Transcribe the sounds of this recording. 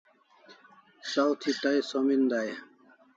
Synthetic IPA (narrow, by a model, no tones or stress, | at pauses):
sawt̪ʰit̪ajsomind̪aːj